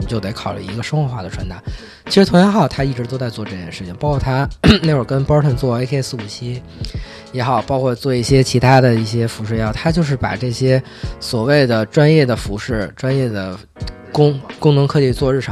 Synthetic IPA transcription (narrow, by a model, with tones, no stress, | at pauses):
t͡ɕjo˥˩t̪e˧˩ɪkʰɑ˨˩ʊly̰˥˩i˧˥ɡə˧ʂə˥ŋxwə˧˥xwa˥˩d̪ə˩ʈ͡ʂʰwa˧˥nt̪a˧˥˦ | t͡ɕʰi˧˥ʂɻ̩˧˥t̪ʰʊ˥jɑ˧˥xt̪ʰa˥i˥˩ʈ͡ʂɻ̩˧˥t̪o˥ʊt͡sa˥˧ɪt͡swɔ˥˧ʈ͡ʂɤ˥˩t͡ɕjɛ˥˧nʂɻ̩˥˩t͡ɕʰi˩ŋpɑ˧˥kʰwɔ˥˩t̪ʰa˥ne˥˩ɪwə˞˨˩kə˥npɑ˥tʰə˥˩nt͡swɔ˥˩e˥kʰs̩˧u˨˩t͡ɕʰi˥ | jɛ˧˥xɑ˨˩ʊpɑ˥kʰwɔ˥˧t͡swɔ˥˧i˥˩ɕjɛ˥t͡ɕʰi˧˥t̪ʰa˥d̪ə˨i˥˩ɕjɛ˥fu˧˥ʂɻ̩˥˩jɛ˧˥xɑ˨˩t̪ʰa˥t͡ɕjo˥˧ʊʂ̬ɻ̩˥˩pa̰˨˩ʈ͡ʂɤ˥˩ɕjɛ˥ | swɔ˨˩we˥˩ɪd̪ə˩ʈ͡ʂwa˥njɛ˥˩d̪ə˩fu˧˥ʂɻ̩˥˩ʈ͡ʂwa˥njɛ˥˩d̪ə˩ | kʊ˥ŋkʊ˥ŋnɤ˧˥ŋkʰɤ˥˧t͡ɕi˥˧˩t͡swɔ˥˧ɻ̩˥˩ʂʰɑ˨˩˦